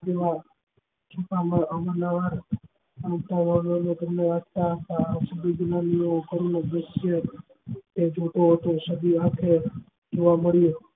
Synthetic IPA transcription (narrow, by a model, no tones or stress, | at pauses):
d͡ʒeʋa | t͡ʃʰupamaəmənaʋaɾ | nt̪aʋaʋonet̪əmneʋad̪̚t̪aɦət̪asubiɡnaniokəɾunobəst͡ʃʰe | t̪ed͡ʒʱoʈ̪oɦət̪osəd̪iat̪ʰe | d͡ʒoʋaməɭijo